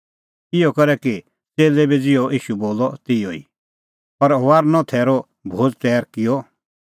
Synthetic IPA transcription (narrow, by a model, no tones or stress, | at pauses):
ɪjɔkɐɾɛki | t͡seːlebid͡zɪɔʔiːʃuboːlɔt̪ɪoḭ | pɐɾoʋaːɾnɔ̃t̪ʰɛːɾɔ | bʱoːd͡zt̪ɛːɾkɪjɔ